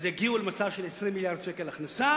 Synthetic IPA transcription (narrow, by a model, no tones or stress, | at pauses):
zeiɡiulemat͡savʃelesʁimːiljaʁd̪̥ʃekelaχnasa